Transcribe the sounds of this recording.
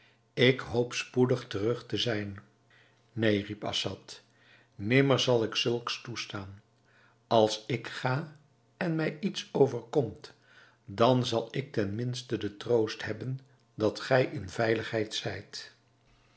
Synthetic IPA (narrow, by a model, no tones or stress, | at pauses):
ɪkɦowpspudəχtərɵχtəzɛjn | nejripɑ̰sɑt | nɪməɹzɑlˠɪksɵlˠkstustaːn | ɑlˠsɪkχaː | ɛnmɛjitsowvəɹkɔmt | dɑnzɑlˠɪk̚tɛnmɪnstədətrowstɦɛbən | dɑtχɛjʔɪnvɛjləχɦɛjtsɛjt